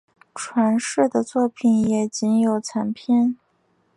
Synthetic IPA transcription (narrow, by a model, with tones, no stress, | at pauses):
ʈ͡ʂʰwa˧˥nʂɻ̩˥˩d̪ə˩t͡swɔ˥˩pʰi˨˩njɛ˨˩t͡ɕi˧˥njo˨˩ʊt͡sʰa˧˥npʰjɛ˥˩n